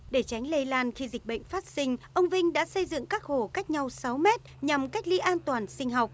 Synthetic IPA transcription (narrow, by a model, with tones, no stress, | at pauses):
ɗe˧˩t͡ɕa˨˦jŋ̟le˧jlaː˧nxi˧zï˨˩ɓə̰˧˨ŋ̟faː˦˥t̚sï˧ŋ̟ʔə˧wŋ͡mvï˧ŋ̟ɗa̰ː˧˥sə˧jzɨ̰˧˨ŋkaː˦˥k̚ho˧˩ka˦˥jk̚ɲa˧wsa˨˦wmɛ˦˥t̚ɲa˨˩mka˦˥jk̟̚lḭ˧˦˥ʔaː˧nt̪waː˨˩nsï˧ŋ̟ɦa˨˩wk͡p̚